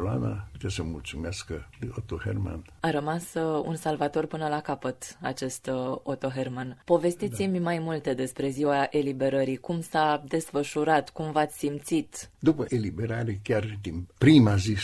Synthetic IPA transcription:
la̰na̰put̪esəmult̪sumeaskəd̪eot̪ohḛrma̰naɾəmasṵnsalvat̪o̞rpɨnəlakapət̪a̰t͡ʃe̞st̪ot̪o̞ɦermanpo̞ve̞st̪it̪simʲmajmult̪e̞d̪e̞spɾe̞ziwaʔelibe̞ɾəɾikumsad̪e̞sfəʃuɾat̪kumvat̪sʲsimt̪sit̪d̪upəʔelibeɾaɾekʲard̪inpɾimazi

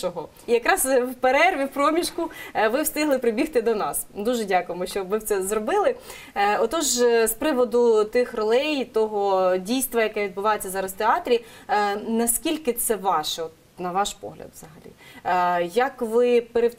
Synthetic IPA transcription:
ɔɦɔ | ijɐkɾɑswpeɾɛrʋʲiwpɾɔmʲiʃkʊʋɪwst̪ɪɦlˠɪpɾɪbʲixt̪ɪd̪ɔnɑsd̪uʒɛdʲakʊjemɔʃt͡ʃɔbʋɪw̪sɛzrɔbɪlˠɪ | ɔt̪ɔʒspɾɪʋɔd̪ʊt̪ɪxrɔlˠɛjt̪ɔɦɔdʲijst̪ʋɐjɐkɛʋʲid̪bʊʋɑjet͡sʲːɐzɑɾɐzt̪eɑt̪ɾʲi | nɐskʲilʲkɪt̪sɛʋɑʃɛɔt̪̚ | nɐʋɑʃpɔ̰ɦlʲɐ̰d̪ʋz̥ɐɦɐlʲḭ | jɐkʋɪpeɾew

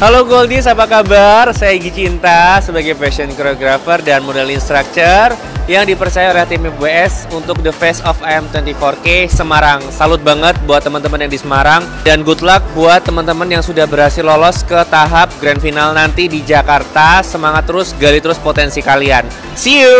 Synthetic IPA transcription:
haloɡoldisapakabarsajaiɡit͡ʃint̪asəbaɡajvɛsɔnkɔɾoɡɾafərdanmodɛlinst̪ɾak̚t͡ʃər | jaŋdipərt͡ʃajaolɛht̪emebeɛsunt̪ʊk̚dəfɛsɔfaɛmt̪wɛnt̪ifɔrkesəmaɾaŋsalʊt̪̚baŋət̪̚buat̪ːəmənt̪əmənjaŋdisəmaɾaŋ | danɡut̪lak̚buat̪ːəmənt̪əmənjaŋsudahbəɾɦasɪlɔlɔskət̪aɦap̚ɡɾandfinalnant̪idid͡ʒakart̪asəmaŋat̪ːəɾʊsɡalit̪əɾʊspot̪ɛnsikalian | siu

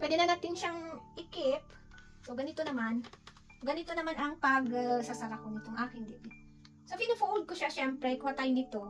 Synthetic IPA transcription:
pwɛːd̪ɛnɐnat̪ɪŋʃaŋʔɪkɪp | soɡɐnɪt̪onɐman | oɡɐnɪt̪onɐmanʔɐŋpɐɡsasɐɾɐkonɪt̪oŋʔaːkɪnd̪ɪt̪ɛ | sopɪnɐfowld̪̚koʃaʃɛmpɾɛkʊhat̪aːjonɪt̪o̞

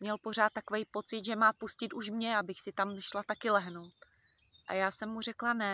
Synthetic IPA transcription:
mɲɛlpo̞r̝aːt̪ːakovɛjpo̞t͡sɪd̪ʒɛmaːpuscɪt̪uʃmɲɛabɪxsɪt̪amʃlat̪akɪlɛɦno̞wt̪ | ʔa̰jaːsɛmːur̝ɛklanɛ

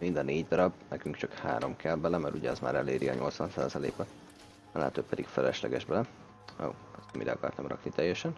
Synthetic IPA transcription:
mind̪ɒneːɟd̪ɒɾɒbnɛkyŋkt͡ʃɒkha̰ːɾo̞mkʰɛlbɛlɛmɛɾuɟɛɛzma̰ːɾɛleːɾiɒ̰ɲʔo̞lt̪sʋɒnsa̰ːzɒlḛːbɛ | ɒlɛ̰ːt̪oːpɛd̪ikfɛlɛʃlɛɡɛʒbɛlɛ | o̰ɛst̪midɛɒkɒrt̪ɒmrɒ̰knit̪ɛjːɛʃɛn

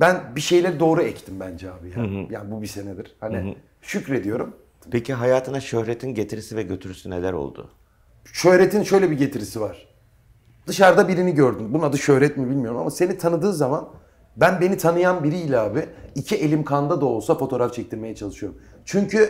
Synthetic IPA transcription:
bænbiʃe̞jlʲeɾid̪o̞ːɾuɛct̪ʰimbænd͡ʒɛaːbijaːjaːnbubise̞nɛd̪iɾ̥hani | ʃycɾe̞d̪ijo̞ɾum | peciɦajaːt̪ʰɯnaʃøhɾet̪ʰinɟet̪ʰiɾisivɛɟøt̪ʰyɾysynelæɾo̰lˠd̪ʊ̰ | ʃø̞hɾe̞t̪ʰinʃø̞jlʲɛbiɟe̞t̪ʰiɾisivaɾ̥ | d̪ɯʃaɾd̪abiɾiniɟøɾd̪ymbunad̪ɯʃø̞hɾɛt̪mibilʲmijo̞ɾuma̰mase̞nit̪ʰanɯd̪ɯːzaman | bænbe̞nit̪ʰanɯjanbiɾiːlʲɛaːbiicʰiʔe̞lʲimkʰand̪ad̪aolˠsafo̞t̪ʰo̞ɾaft͡ʃʰɛc̚t̪ʰiɾme̞jɛt͡ʃʰalˠɯʃɯjo̞ɾumt͡ʃʰyɲcʰy

